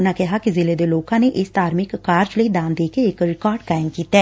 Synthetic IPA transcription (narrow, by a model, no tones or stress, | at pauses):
ʊnãːkɪɦaːkɪzɪleːd̪eːloːkãːneːʔɪst̪aːɾmɪkːaːɾd͡ʒləiːd̪aːnd̪eːkeɪkɾɪkaːɾɖkaːɪmkiːt̪ɛː